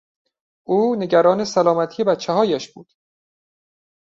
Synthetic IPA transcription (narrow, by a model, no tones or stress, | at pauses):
ʔuːne̞ɟæɾɒːnesælɒːmæt̪ʰije̞bæt̪t͡ʃʰːæɦɒːjæʃb̥uːd̪̥